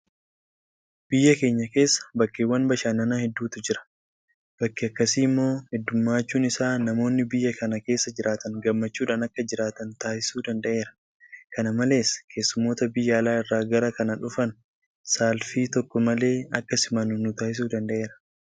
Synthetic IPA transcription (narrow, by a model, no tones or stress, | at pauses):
b̥ɪjːɐke̞ːɲːɐke̞ːsːɐ̥bɐkːeːwːɐnbɐʃaːnːɐnaːhɛd̪ːuːt̪ʊd͡ʒɪɾɐ̥ | b̥ɐkːiɐkːɐsiːmːo̞ːhɛd̪ːʊmːaːt͡ʃːuːnɪsaːnɐmo̞ːnːɪbɪjːɐkɐnɐke̞ːsːɐd͡ʒɪɾʔaːt̪ɐnɡɐmːɐt͡ʃːuːᶑaːnɐkːɐd͡ʒɪɾaːt̪ɐnt̪aːʔɪsuːd̪ɐnd̪ɐʔe̞ːɾɐ̥ | kɐnɐmɐle̞ːskʰe̞ːsːʊmːo̞ːt̪ɐbɪjːɐlaːɪrːaːɡɐɾɐkɐnɐᶑʊfɐn | saːlfiːt̪ɔkːɔmɐle̞ːɐ̰kːɐsɪmɐnʊnʊt̪aːʔɪs̬uːd̪ɐnd̪ɐʔe̞ːɾɐ̥